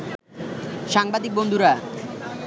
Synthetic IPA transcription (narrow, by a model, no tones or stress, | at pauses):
ʃaŋbad̪ik̚bond̪ʱuɾa